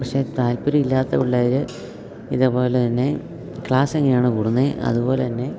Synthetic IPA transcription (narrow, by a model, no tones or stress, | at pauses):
pɐkʂe̞t̪aːlpuɾiilːaːt̪ːɐuɭːɐðiɾɨ | iðepo̞ːlet̪ɐnːe̞ | kɭaːseŋːɐejaːɳɨkuːɽunːeʔɐ̰ðubo̞ːlet̪ɐnːe̞